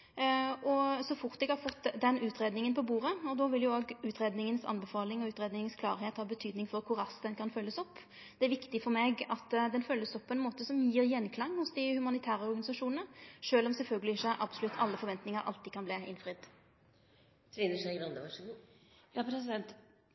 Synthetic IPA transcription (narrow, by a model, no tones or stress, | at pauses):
ɔsɔfʊɾt̪ɛɡhɑɾfɔt̪ːd̪ɛnʉːt̪ɾeːd̪nɪŋənpɔbuːɾəɔd̪ɔʋɪljʊoːɡʉːt̪ɾeːd̪nɪŋənsɑ̰nbɛfɑːlɪŋɔʉːt̪ɾeːd̪nɪŋənskʰlɑ̰ːɾheːt̪hɑːbət̪ʰyːd̪nɪŋfɔɾkʰʊɾɑsd̪ɛnkʰɑnfœlːəsɔpː | d̪̥ɛæɾʋɪkt̪ɪfɔɾmeːɡɑt̪ːd̪ɛnfœlːəsɔpʰːɔɛnmoːt̪əsɔmjiːɾjɛnːkʰlɑŋːhʊsd̪ɪhʉmɑnɪt̪ʰæːɾəɔɾɡɑnɪsɑʂuːnənəʂøːlɔmsɛlfœlɡəlɪɪçːəʔɑb̥sɔlʉt̪ʰːɑ̰lːəfɔɾʋɛnt̪nɪŋəɾʔɑ̰lt̪ɪːd̪kʰɑnbliːʔɪ̰nfɾɪd̪ | t̪ɾiːnəʂæɪɡɾɑnd̪əʋɑʂku | jɑpʰɾɛsɪd̪ɛnt̪